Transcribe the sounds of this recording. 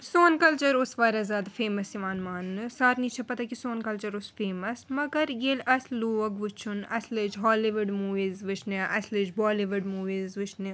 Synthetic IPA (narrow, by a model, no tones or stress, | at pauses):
soːnkɐlt͡ʃɐɾʊsʋaːɾɐzaːd̪ɐfʰeːmɐsiʋaːnmaːnːsaːɾnit͡ʃʰɐpɐt̪akisoːnkɐlt͡ʃɐɾʊsfeːmɐsmɐɡɐɾjeːlɐsluːɐɡʋʊt͡ʃʰunɐsled͡ʒɦɔːliʋɐɖmuːʋiːzʋɪt͡ʃʰneʔɐslɪd͡ʒbɔːliʋɐɖmuːʋiːzʋɪt͡ʃʰne